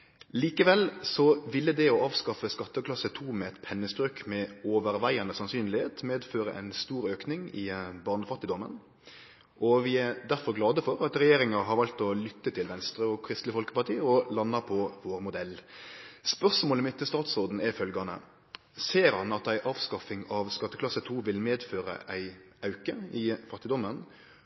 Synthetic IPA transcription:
liːkəʋɛlsɔʋɪlːəd̪ɛɔɑːʋskɑfəskɑt̪ːəklɑsət̪ʰuːmɛɛt̪pʰɛnːəsbɾøːkmɛoːʋəɾʋæɪɑnəsɑnsyːnlɪheːt̪meːd̪føːɾə̰ʔæ̰ɪnst̪uːɾøːknɪŋɪ̰bɑʁnəfɑt̪ːɪd̪ɔmːə̰n | ʔɔʋɪæɾd̪æɾfɔɾɡlɑːd̪əfɔɾɑt̪ɾɛjeːɾɪŋɑɦɑɾʋɑlt̪ɔlʏt̪ːət̪ʰɪlʋɛnst̪ɾəɔkʰɾɪst̪lɪəfɔlkə̥pɑt̪ʰiːɔlɑnːɑɾpʰɔʋoːɾmʊd̪ɛlː | spœʁsmoːləmɪt̪ːɪst̪ɑːt̪sʁoːd̪n̩ɛfœlɡɑnə̰ | seːɾhɑnɑt̪æɪʔɑːʋskɑfɪŋɑʋskɑt̪ːəklɑsət̪ʰuːʋɪlmeːd̪føːɾə̰ʔæɪʔɑʉkəɪfɑt̪ːɪd̪ɔmːən

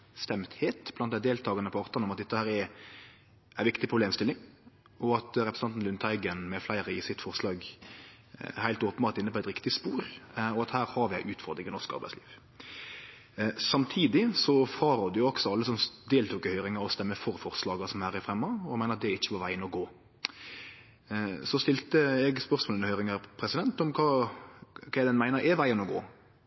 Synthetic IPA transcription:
st̪ɛmt̪heːt̪b̥lɑnt̪d̪æɪd̪eːlt̪ʰɑːɡɑnəpʰɔɑʁt̪ɑnɔmɑt̪̚d̪ɛt̪ːəhæːɾɛ | ʔæɪʋɪkt̪ɪpɾʊbleːmst̪ɪlːɪŋ | ɔɑt̪ɾɛpɾəsnɑnt̪n̩lʉnt̪ʰæɪɡənmɛflæɪɾəɪsɪt̪fɔʁslɑːɡ | hæɪlt̪oːpənbɑːʁt̪ɪnːəpʰɔɛt̪ɾɪkt̪ɪspuːɾɔɑt̪hæːɾhɑɾʋɪæɪʔʉːt̪fɔʁd̪ɾɪŋənɔskɑ̰ɾbæɪsliːʋ | sɑmt̪ʰiːd̪ɪsɔfʁɑːɾɔd̪əjʊɔksɔɑlːəsɔmd̪eːlt̪ʰuːkəhœʏɾɪŋɑɾɔst̪ɛmːəfɔɾfɔʁslɑːɡɑsɔmhæːɾɛfʁɛmːɔɔmæɪnəɾɑt̪d̪ɛɾɪçːə̥pɔʋæɪənɔɡoː | sɔst̪ɪlt̪əɛɡspœɾsmoːlənəhœʏɾɪŋɑɾpʰɾɛsɪd̪ɛnt̪ɔmkʰɑː | kʰæɪd̪ɛnmæɪnəɾɛʋæɪənɔɡo̰ː

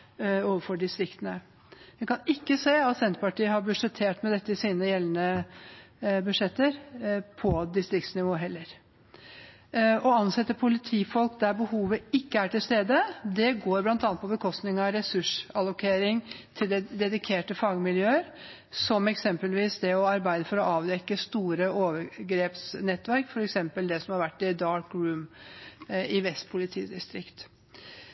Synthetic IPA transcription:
oːʋəɾfɔɖɪst̪ɾɪkt̪ənə | ʋɛkɑnɪkːəseːɑt̪sɛnt̪əpɑʈiːəɦɑɾbʉʂɛt̪ʰeːʈmɛd̪ɛt̪ːəɪsiːnəjɛlːənə | bʉd̪ʂɛt̪ːəɾpʰɔd̪ɪst̪ɾɪkt̪snɪʋoːɦɛlːəɾ | ɔɑnsɛt̪ːəpʰʊlɪt̪ʰiːfɔlkd̪æɾbəhuːʋəɪkːəæʈɪlst̪eːd̪əd̪ɛɡoːɾblɑnt̪ɑnt̪pʰɔbəkʰɔst̪nɪŋɑʋɾɛsʉʂɑlʊkʰeːɾɪŋt̪ʰɪld̪ɛd̪ɛd̪ɪkʰeːʈəfɑɡəmɪljøːəɾ | sɔmɛksɛmpəlʋiːsd̪ɛɔɑɾbæɪd̪əfɔɾɔɑːʋd̪ɛkːəst̪uːɾəoːʋəɾɡɾeːpsnɛt̪ːʋæɾkfɔɾɛksɛmpəld̪ɛsɔmhɑɾʋæʈːɪd̪ɑːɾkɾʉːm | ɪʋɛst̪pʰʊlɪt̪ʰḭːd̪ɪst̪ɾɪkt̪

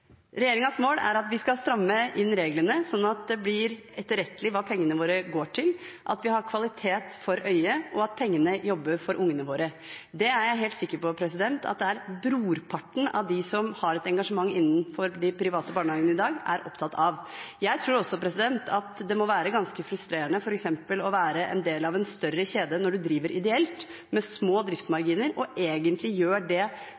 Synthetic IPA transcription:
ɾɛjeːɾɪŋɑnsmoːlæ̰ɾɑt̪ʋɪskɑlst̪ɾɑmːəʔɪnːɾeːɡlənəsɔnːɑt̪̚d̪ɛb̪ɪɾɛt̪ːəɾɛt̪ːəlɪʋɑːpʰɛŋːənəʋoːɾəɡoːʈʰɪlʔɑt̪ʋɪhɑɾkʰʋɑlɪt̪ʰeːt̪fɔɾœʏəʔɔɑt̪̚pʰɛŋːənəjɔbːəɾfɔɾʔʊŋːənəʋoːɾə | d̪ɛæɾjæɪɦeːlt̪sɪkːəɾpɔpʰɾɛsɪd̪ɛnt̪ɑ̰t̪̚d̪ɛæɾbɾuːɾpʰɑʈːɳ̩ɑ̰ʋd̪ɪsɔmhɑɾɛt̪ɛŋɡɑʂəmɑŋːɪnːənfɔɾd̪ɪpʰɾɪʋɑːt̪əbɑːɳəɑːɡənəɪd̪ɑːɡæ̰ɾʔɔ̰pt̪ʰɑt̪ːʰɑʋjæɪt̪ʰɾuːɾɔsːɔpɾɛsɪd̪ɛnt̪ʰɑt̪d̪ɛmɔʋæːɾəɡɑnskəfɾʉst̪ɾeːɾənəfɔɾɛksɛmpəlɔʋæːɾəʔɛ̰nd̪eːlɑʋɛnst̪œrːəçeːd̪ənɔɖʉd̪ɾiːʋəɾʔɪd̪ɛɛlt̪ | mɛsmoːd̪ɾɪft̪smɑɾɡiːnəɾɔʔeːɡənt̪lɪjøːɖɛ

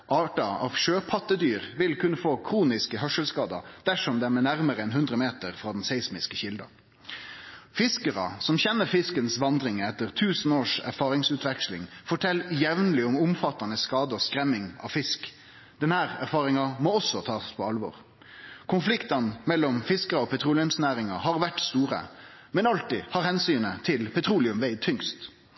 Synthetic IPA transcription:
ʔɑːʈɑɑ̰ʋʃøːpʰɑt̪ːəd̪yːʁʋɪlkʉnːəfoːkʰɾuːnɪskəɦœʂəlskɑːd̪ɑ̰d̪̥æʂɔmd̪ɛæmænæʁməɾəɛnhʉnd̪ʁəmeːt̪əʁfʁɑːd̪n̩sɛɪsmɪskəçɪld̪ɑ̰ | fɪskəʁɑ̰sɔmçɛnːəfɪskənsʋɑnd̪ɾɪŋɛt̪ːəʁt̪ʰʉːsən̩oːʂæ̰ɾfɑːʁɪŋsʉːt̪ʰʋɛkslɪ̰ŋfɔʈʰɛlːjɛʋnəlɪʊmʊmfɑt̪ːɑnəskɑːd̪əɔskɾɛmːɪŋɑ̰ʋfɪsk | d̪̥ɛnhæːʁæɾfɑːʁɪŋɑmoːɔsːɔt̪ʰɑːspʰɔɑlʋɔ̰ːʁ | kʰʊnflɪkt̪ɑnmɛlːɔmfɪskəʁɑɔːpʰɛt̪ʰʁuːlɪʉmsnæːʁɪŋɑhɑʁʋæʈst̪uːʁə̰mɛnɑlt̪ihɑʁhɛnsyːnət̪ʰɪlpʰɛt̪ʰʁuːlɪʉmʋeɪd̪̚t̪ʰʏŋst̪

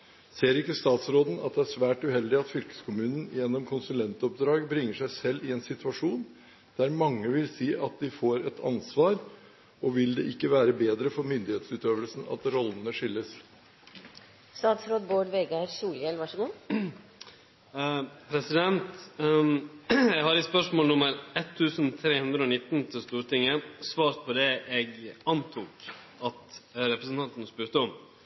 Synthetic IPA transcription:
seːɾɪkːəst̪ɑːt̪sɾoːd̪n̩ɑ̰t̪̚d̪ɛæʂʋæːʈʉhɛld̪ɪɑt̪fʏlkə̥skʰʊmʉːnən̩jɛnːɔmkʰʊnsʉlɛnt̪ɔp̚d̪ɾɑːɡbɾɪŋːəʂæɪsɛlːɪɛnsɪt̪ʉɑʂuːn | d̪̥æɾmɑŋːəʋɪlsiːʔɑt̪̚d̪ɪfoːɾɛt̪ʰɑ̰nsʋɑːɾ | ʔɔʋɪld̪ɛʔɪkːəʋæːɾəbeːd̪ɾəfɔɾmʏnd̪ɪheːt̪sʉːt̪øːʋəlsn̩ɑ̰t̪ɾɔlnəʂɪlːəs | st̪ɑːt̪sɾoːd̪boːɖʋeɡɑɾsuːljɛlʋɑʂəɡuː | pʰɾɛsɪd̪ɛnt̪ | jɛɡhɑɾɪt̪spœʂmoːlnʊməɾɛt̪ʰːʉːsənt̪ʰɾeːhʉnd̪ɾəoːnɪt̪ːn̩t̪ʰɪlst̪uːɾt̪ɪŋːəsʋɑːɾpʰɔd̪ɛʔɛɡɑnt̪ʰuːk | ɑt̪ɾɛpɾəsən̩t̪ɑnt̪ənəspʉːɾt̪əɔm

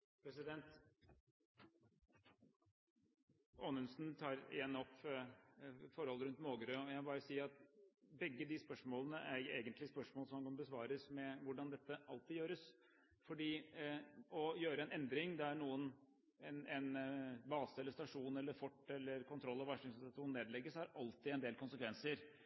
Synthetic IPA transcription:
pʰɾɛsɪd̪ɛnt̪ | oːnʉnsn̩t̪ʰɑːɾenɔpː | fɔɾhɔlːɾʉnt̪moːɡəɾøːɔjæɑbɑːɾəsiːəɑt̪̚bɛɡːəd̪ɪspœʂmoːlənəʔæɾjʊeːɡənt̪lɪspœʂmoːlsɔmhɑnkɑnbəsʋɑːɾəsmɛʋʊɖɑnd̪ɛt̪ːəʔɑlt̪ɪjøːɾəs | fɔɖiː | ɔjøːɾəɛnɛnd̪ɾɪŋd̪ɛæɳuːən | nɛnbɑːsəɛlːəʂst̪ɑʂuːnɛlːəɾfɔʈːɛlːəɾkʊnt̪ʰɾɔlːɑʋæʂɪŋsɑt̪ʰuːnneːd̪lɛɡːəsɑɾɑlt̪ɪɛnd̪eːlkʊnsəkʋɛnsəɾ

